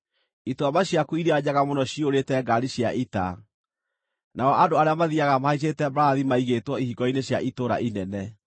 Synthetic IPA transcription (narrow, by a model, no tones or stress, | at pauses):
itwamaɕjakuiɾeaɲaɣamonɔɕioɾetɛɡaɾiɕjaʔita̰ | naɔʔadoaɾeamaðiaɣamahais̬etɛbɾaːðimaiɣetwɔihiɡɔineɕjaʔitoɾa̰ʔinɛnɛ